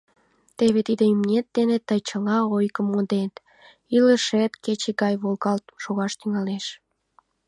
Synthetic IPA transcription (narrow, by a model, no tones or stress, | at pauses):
t̪eβet̪id̪eymnʲet̪̚d̪enet̪ːəjt͡ɕəlɑojkəmod̪et̪ | iləʃet̪ket͡ɕeɣɑjβolɣɑlt̪ʃoɣɑʃt̪yŋɑleʃ